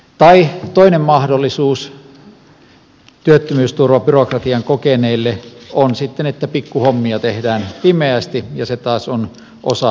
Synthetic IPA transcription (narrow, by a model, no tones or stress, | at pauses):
t̪ɑit̪oˑinemmɑhdolːisuːs | t̪yøt̪ːømyːst̪urʋɑpyrokrɑt̪iɑŋkokeneilːeonsit̪ːenet̪ːæpikːuhomːiɑt̪ehdæːnpimeæst̪ijɑset̪ɑːson | ʔo̰sɑ